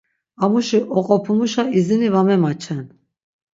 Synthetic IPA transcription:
amuʃiʔɔqʼɔpʰumuʃaizinivamɛmat͡ʃʰɛn

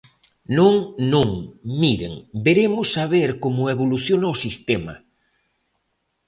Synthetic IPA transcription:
nõŋnõŋmiɾḛŋbeɾemʊsːaβ̞eɾkomʊeβ̞oluθjonaosist̪emɐ̰

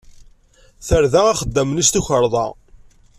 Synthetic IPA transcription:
θəɾðææχəd̪ːəmnist̪uçəɾˤðˤɑ̰

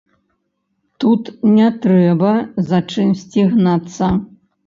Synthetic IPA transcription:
t̪ut̪nʲɛt̪ɾɛbɐzat͡ʂɨmsʲt͡sʲiɣnat̪sːɐ

